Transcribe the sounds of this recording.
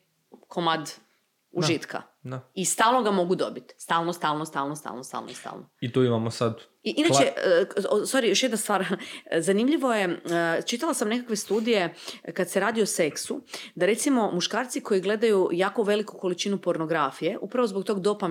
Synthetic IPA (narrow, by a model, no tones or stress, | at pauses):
kʰomad̪ | uʒit̪ka̰ | d̪aist̪aːlˠnoɡamo̞ɡud̪o̞̰bit̪st̪aːlˠnost̪aːlˠnost̪a̰ːlˠnost̪a̰ːlnost̪a̰lnʔost̪a̰ːlˠnoit̪oimamosad̪ | iʔinat͡ʃeosoɾijo̞ʃjed̪nast̪ʋaːɾzanimʎiʋo̞je̞t͡ʃit̪alasamnekakʋe̞st̪uːd̪ije̞kad̪seɾaːd̪iose̞ksud̪aɾe̞t̪simo̞muʃkaːɾt̪siko̞jiɡle̞d̪ajujaːkoʋe̞likuko̞lit͡ʃinupo̞ɾno̞ɡɾafije̞ʔupɾaʋo̞zbok̚t̪oɡd̪o̞pa